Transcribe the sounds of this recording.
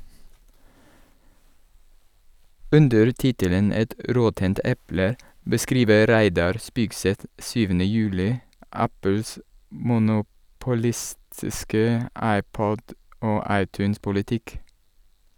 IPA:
ˈʉndəɾ ˈtɪtələn ˈɛt ə ˈɾɔtənt ˈʔɛplə bəˈskɾiːʋə ˈɾæɪdɑɾ ˈspiːɡsɛt ˈsyːʋənə ˈjʉːlɪ ˈʔæpl̩s mʊnʊpʊˈlɪstɪskə ˈɑɪˌpɔd ˈoː ˈɑɪˌtʉːnspʊlɪˌtɪk

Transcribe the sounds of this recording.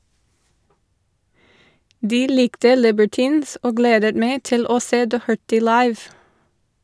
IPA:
ˈdiː ˈlɪktə ˈlɪbəɹˌtiːns ˈoː ˈɡleːdət ˈmeɪ ˈtɪl ˈoː ˈseː ˈdɔhəɹtɪ ˈlɑɪʋ

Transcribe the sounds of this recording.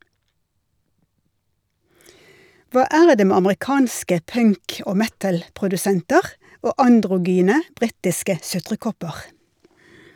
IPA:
ˈʋɑː ˈæːɾ ˈdeː ˈmeː ɑməʁɪˈkɑːnskə ˈpœŋk ˈoː ˈmɛtl̩pʁʊdʉˌsɛntəʁ ˈoː ɑndʁʊˈɡyːnə ˈbʁiːtɪskə ˈsʉtʁəˌkɔpəʁ

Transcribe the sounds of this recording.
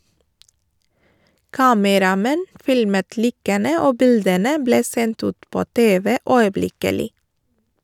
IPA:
ˈkɑːməɾɑˌmɛn ˈfɪlmət ˈliːkənə ˈoː ˈbɪldənə ˈbleː ˈsɛnt ˈʉːt ˈpoː ˈteːʋə ˈœʏəˌblɪkəlɪ

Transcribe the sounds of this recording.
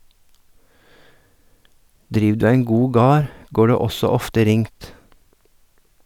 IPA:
ˈdɾiːʋ ˈdʉː ˈæɪŋ ˈɡuː ˈɡɑːɾ ˈɡoː ˈɖeː ˈɔsɔ ˈɔftə ˈɾɪŋt

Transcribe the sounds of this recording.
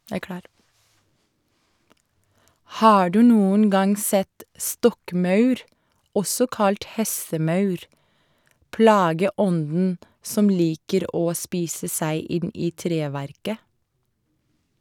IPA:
ˈhɑː ˈɖʉː ˈnuːən ˈɡɑŋ ˈsɛt ˈstɔkˌmɑʉɾ ˈɔsɔ ˈkɑlt ˈhɛsəˌmɑʉɾ ˈplɑːɡəˌɔndn̩ ˈsɔm ˈliːkəɾ ˈoː ˈspiːsə ˈsæɪ ˈɪn ˈiː ˈtɾeːˌʋæɾkə

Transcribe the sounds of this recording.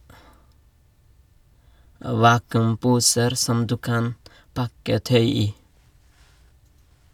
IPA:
ˈʋɑːkʉmˌpuːsəɾ ˈsɔm ˈdʉː ˈkɑn ˈpɑkə ˈtœʏ ˈiː

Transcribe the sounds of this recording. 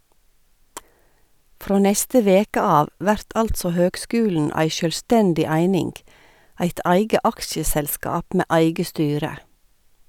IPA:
ˈfɾoː ˈnɛstə ˈʋeːkə ˈɑːʋ ˈʋæɾt ˈɑltsɔ ˈhøːɡˌskʉːln̩ ˈæɪ ʃœlˈstɛndɪ ˈæɪnɪŋɡ ˈæɪt ˈæɪɡə ˈɑkʃəsɛlˌskɑːp ˈmeː ˈæɪɡə ˈstyːɾə

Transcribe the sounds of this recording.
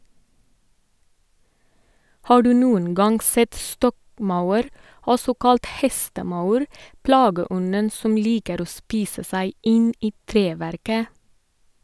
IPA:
ˈhɑː ˈɖʉː ˈnuːən ˈɡɑŋɡ ˈsɛt ˈstɔkˌmɑʉəɾ ˈɔsɔ ˈkɑlt ˈhɛstəˌmɑʉɾ ˈplɑːɡəˌɔnən ˈsɔm ˈliːkəɾ ˈoː ˈspiːsə ˈsæɪ ˈɪn ˈiː ˈtɾeːˌʋæɾkə

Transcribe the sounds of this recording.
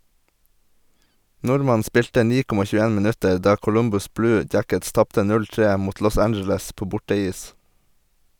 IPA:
ˈnʊɾmɑn ˈspɪltə ˈniː ˈkɔmɑ çʉːəˈeːn mɪˈnʉtəɾ ˈdɑː kʊˈlʊmbʊs ˈblʉː ˈdjækəts ˈtɑptə ˈnʉl ˈtɹeː ˈmuːt ˈlɔs ˈænd͡ʒl̩əs ˈpoː ˈbʊʈəˌiːs

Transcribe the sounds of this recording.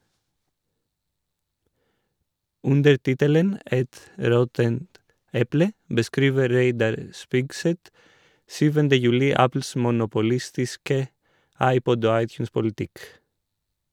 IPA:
ˈʉndəɾ ˈtɪtələn ˈɛt ˈɾɔtənt ˈɛplə bəˈskɾiːʋə ˈɾeɪdɑɾ ə ˈspɪɡˌsɛt ˈsyːʋəndə ˈjʉːlɪ ˈæpl̩s mʊnʊpʊˈlɪstɪskə ˈɑɪˌpɔd ˈoː ˈɑɪˌtjʉːnspʊl̩ˌtɪk

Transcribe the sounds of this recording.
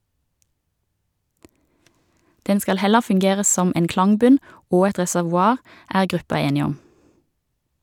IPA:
ˈdɛn ˈskɑl ˈhɛlə fʉŋˈɡeːʁə ˈsɔm ˈeːn ˈklɑŋˌbʉn ˈoː ˈɛt ʁɛsæʋʊˈɑːʁ ˈæːʁ ˈɡʁʉpɑ ˈeːnɪ ˈɔm

